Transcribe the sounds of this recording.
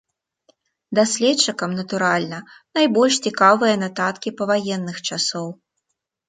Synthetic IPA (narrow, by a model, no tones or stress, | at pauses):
d̪asʲlʲɛt͡ʂːɨkɐmnɐt̪uɾalʲnɐnajbɔlʲʂt͡sʲikavɨjɐnat̪at̪kʲipɐvajɛnːɨxt͡ʂasɔw